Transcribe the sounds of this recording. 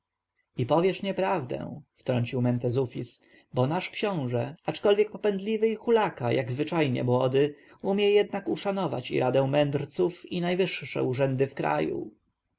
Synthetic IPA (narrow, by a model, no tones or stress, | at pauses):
ipɔvʲjɛʂɲɛpɾavd̪ɛ̰̃ft̪ɾɔɲt͡ɕiwmɛnt̪ɛzufʲis | bɔnaʂkɕɔ̃w̃ʐɛat͡ʂkɔlvʲjɛk̚pɔpɛnd̪lʲivɘixulakajaɡzvɘt͡ʂajɲɛ̰mwɔd̪ɘ | umʲjɛjɛd̪nakuʂanɔva̰t͡ɕḭɾʔad̪ɛ̃w̃mɛnd̪ɾt̪sufinajvɘʂʂɛ̰uʐɛnd̪ɘfkɾa̰jṵ